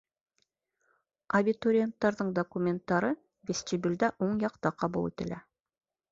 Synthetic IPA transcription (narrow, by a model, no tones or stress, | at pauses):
ɐbʲit̪oɾʲɪent̪ːɑɾðɤɴd̪okumʲe̞nt̪ːɑɾɤ | vʲesʲt̪ibʲɪld̪æʔoɴjɑqt̪ɑqʰɑbulˠḭt̪ɘ̆læ